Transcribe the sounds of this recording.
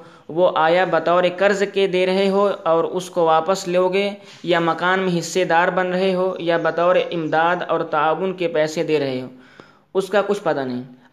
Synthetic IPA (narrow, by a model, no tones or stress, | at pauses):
ʋoʔaːjabɐt̪ɔːɾekəɾzked̪eːɾɐɦeɦoɔːɾʊskoʋaːpəsleoːɡe | jamɐkaːnmẽɦɪsːed̪aːɾbənɾɐɦeɦojabɐt̪ɔːɾeʔɪmd̪aːd̪ɔ̰ːɾt̪aaːʋʊnkepɛːsed̪eːɾɐɦeɦoː | ʊskakʊt͡ʃʰpɐt̪anəɦĩ